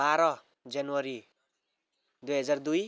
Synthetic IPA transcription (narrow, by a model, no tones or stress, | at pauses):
baɾʌ | d͡zanwʌɾi | d̪ujɦʌd͡zard̪uj